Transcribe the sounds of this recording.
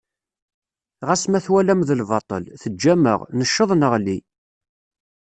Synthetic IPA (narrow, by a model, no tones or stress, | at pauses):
ʁæsmæθwælæmðəlvɑt̪ˤə̰lθəd͡ʒːæmə̰ʁnəʃːəðˤnəʁli